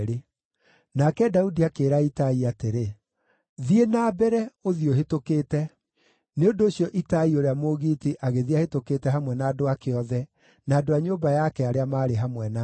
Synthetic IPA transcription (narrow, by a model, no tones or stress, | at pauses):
ɾe | nakɛdaudiakeːɾaitaiateɾe | ðienaːbɛɾɛoðioɦetokeːtɛ | neondoːɕjɔʔitaioɾeamoɣiːtiʔaɣeðiahetokeːtɛɦamwɛnaːdoakeɔðɛ | naːdoaɲoːmbajakɛaɾeamaːɾeɦamwɛna